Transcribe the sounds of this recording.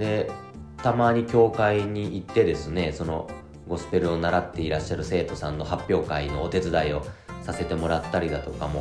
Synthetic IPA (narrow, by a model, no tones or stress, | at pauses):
d̪e̞ | t̪amaːɲ̟ikʲo̞ːkaiɲ̟iit̪ːe̞d̪e̞sɨne̞so̞no | ɡo̞sɨ̥pe̞ɾɯ̟o̞naɾat̪ːe̞iɾaɕːaɾɯ̟se̞ːt̪o̞sãnːo̞hapʲːjo̞ːkaino̞ːt̪e̞t͡sɨd̪aio̞sase̞t̪e̞mo̞ɾat̪ːaɾʲid̪at̪o̞kamo̞